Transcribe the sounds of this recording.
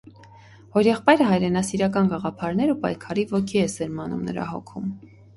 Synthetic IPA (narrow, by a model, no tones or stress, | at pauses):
hɔɾjɛχpɑjɾəɦɑjɾɛnɑsiɾɑk̬ɑnɡɑʁɑpʰɑɾnɛɾupɑ̰jkʰɑɾivɔkʰiɛsɛɾmɑnṵmnə̰ɾɑ̰hɔ̰kʰum